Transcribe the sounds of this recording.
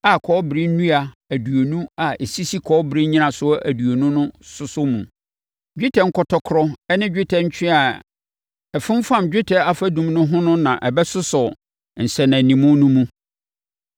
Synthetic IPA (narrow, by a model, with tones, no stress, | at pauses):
a˨kʰɔː˨˦bɪ˨ɾi˦n̩˦nũ˦a˨ | æ˨du˨o˨nũ˦a˨ʔe˨si˦si˦kʰɔː˦bɪ˨ɾĩ˦ɲĩ˦nã˨sʊ˦ʔæ˨du˨o˨nũ˦nʊ̃˦sʊ˦sʊ˦mṵ̃˨ | d͡ʑᶣi˦tʰɛ˨ŋ̩˦kʰɔ˨tʰɔ˦kʰɾɔ˦ɛ˦nɪ̃˦d͡ʑᶣɪ˦tʰɛ˨ɲ̩˦t͡ɕʰᶣɪ̃˦a˨ | ɛ˨fɪ̃˦m˦fã˦˨md͡ʑᶣɪ˦tʰɛ˨a˨fa˦dũ˨mnʊ̃˦ɦʊ̃˦nʊ̃˦nã˨ʔɛ˨bɛ˦sʊ˦sʊ˨ | n̩˨sɛ˨nã˨nĩ˨mʊ̃˦nũ˦mũ˦